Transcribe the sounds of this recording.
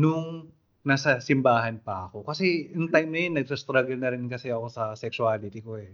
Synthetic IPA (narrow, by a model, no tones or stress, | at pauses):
nʊŋ | nasɐsɪmbaːɦɐnpɐʔɐko̞kɐsɛjʊŋt̪ajmnɐjonːɐɡ̚sɐst̪ɾaɡɐlnɐɾɪnkɐsɛɐko̞sɐsɛksuaːlɪt̪iko̞ʔɛ